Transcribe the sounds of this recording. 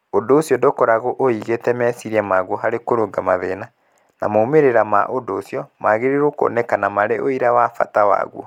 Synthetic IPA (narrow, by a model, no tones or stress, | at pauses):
odoːsjɔndokɔɾaɣoʔoiɣetɛmɛsiɾiamaɣwɔɦaɾekoɾoɡamaðḛna | na̰momeɾeɾama̰ʔodoːsjɔmaɣeɾeɾoko̰nɛkanamaɾeʔoiɾawafa̰tawa̰ɣwɔ̰